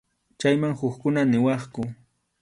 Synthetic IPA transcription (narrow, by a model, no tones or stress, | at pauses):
t͡ʃajmaŋhʊkkʊnanɪwɑχkʊ